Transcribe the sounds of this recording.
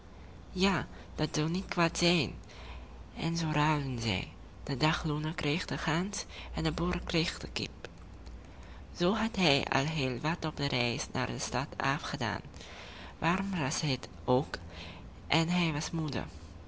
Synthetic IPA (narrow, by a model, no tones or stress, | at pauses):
jaː | d̥ɑtz̥ɑwnit̚kʋaːtz̥ɛjn | ɛ̰nzoːrœɥənzɛ̰j | d̥ədɑχlunəkrejχdəχansɛndəbɔrkrejχdəkɪ̰p | z̥oːɦɑtɦɛjɑ̰lˠɦeːlˠʋɑtɔb̚dərɛjsnʔa̰ːrdəstɑtʰa̰ːfχəda̰ːn | ʋʔaːrɔmrɑsɦɪt | ok | ʔɛnɦɛjʋɑsmudə̰r